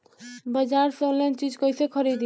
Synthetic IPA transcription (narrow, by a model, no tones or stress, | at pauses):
bəd͡ʑaɾsolent͡ɕid͡ʑkojsekʰɔɾid̪